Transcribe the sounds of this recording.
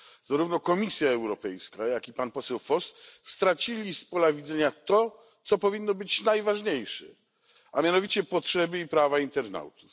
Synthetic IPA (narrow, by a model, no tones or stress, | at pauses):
zaɾuvnɔkɔmʲisʲjaɛwɾɔpɛjskajakʲipanpɔsɛwfɔst̪st̪ɾat͡ɕilʲispɔlavʲid̪zɛɲat̪ɔ | t̪sɔpɔvʲinːɔbɘt͡ɕnajvaʐɲejʂɛ̰ | amʲjanɔvʲit͡ɕɛpɔtʂɛbɘipɾavaint̪ɛɾna̰wt̪u̥